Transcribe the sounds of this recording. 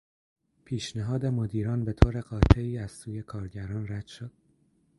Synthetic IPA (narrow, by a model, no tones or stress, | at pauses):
pʰiːʃneɦɒːd̪e̞mod̪iːɾɒːnbe̞t̪ʰoːɾe̞ɢɒːt̪ʰe̞iːæz̥suːje̞kʰɒːɾɟæɾɒːnræd̪̥ʃod̪̥